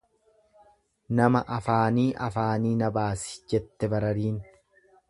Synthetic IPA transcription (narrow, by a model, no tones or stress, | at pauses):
nɐmɐ̰ʔɐfaːniːʔɐfaːniːnɐbaːsɪ̥d͡ʒɛt̪ːɛbɐɾɐɾiːn